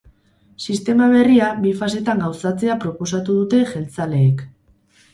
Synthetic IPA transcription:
sist̪e̞maβ̞e̞riabifas̬e̞t̪aŋɡawsat͡se̞apɾo̞po̞sat̪uð̞ut̪e̞ʝe̞lt͡sale̞ːk

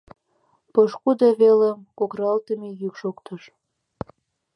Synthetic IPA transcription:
pəʃkud̪ɑβelemkokrɑlt̪əmejykʃokt̪ə̆ʃ

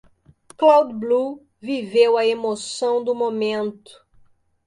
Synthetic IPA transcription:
klawd̪blu | vivewɐemosɐ̃w̃d̪ʊmomẽnt̪ʊ̥

